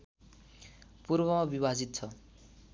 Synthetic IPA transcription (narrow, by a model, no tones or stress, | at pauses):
purbʌmabibad͡zit̪̚t͡sʰʌ